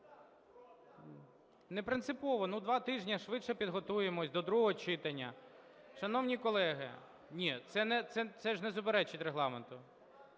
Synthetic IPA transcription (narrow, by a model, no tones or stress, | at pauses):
nepɾɪnsɪpɔʋɔnud̪ʋɑt̪ɪʒnʲɐʃʋɪʃɛpʲid̪ɦɔt̪ujemɔsʲd̪ɔd̪ɾuɦɔt͡ʃɪt̪ɐnʲːɐ | ʃɐnɔwnʲikɔlˠɛɦɪ̰ | nʲit̪sɛnɛt̪sɛt̪sɛʐnɛzʊp̬eɾɛt͡ʃɪtʲreɦlˠɑment̪ʊ